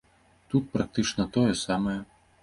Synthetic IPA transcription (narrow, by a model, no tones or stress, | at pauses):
t̪ut̪̚pɾak̚t̪ɨt͡ʂnɐt̪ɔjɛsamɐjɛ